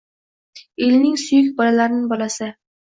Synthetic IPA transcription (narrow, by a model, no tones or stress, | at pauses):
elnɪŋsʊjʏkʲbɒlalaɾɪnɪbɒlasɪ